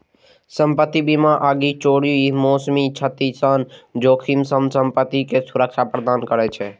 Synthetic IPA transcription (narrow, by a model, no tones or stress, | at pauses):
səmpət̪ːibimaʔəɡit͡ʃoɽijuimoːsmit͡ʃʰət̪isənd͡ʒoːkʰimsəmsəmpət̪ːikesuɾək̚t͡ʃʰapɾəd̪aːnkəɾɛt͡ʃʰɛ